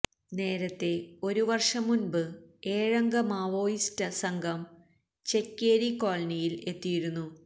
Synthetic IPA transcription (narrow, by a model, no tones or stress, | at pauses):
ne̞ːɾɐt̪ːe̞o̞ɾuʋɐrʂɐmːunbɨeːɻɐŋɡɐmaːʋo̞ːjistɐsɐŋɡʱɐm | t͡ɕe̞kːeːɾikoːɭɐnijile̞t̪ːijiɾunːu